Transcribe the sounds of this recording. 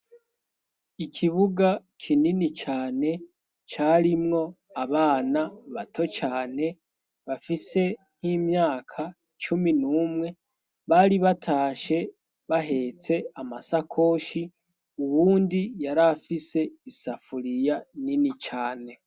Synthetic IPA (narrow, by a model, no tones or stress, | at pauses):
ikʰiβuɡakʰininit͡ʃaːne̞ | t͡ʃaːɾimŋo̞ | aβaːnaβato̞t͡ʃaːne̞ | βafise̞ | n̥himɲaːkʰa | t͡ʃuminuːmŋe̞ | βaɾiβatʰaːʃe̞ | βaɦe̞t͡se̞amasakʰo̞ːʃi | uβuːndijaɾafise̞isafuɾijaninit͡ʃaːne̞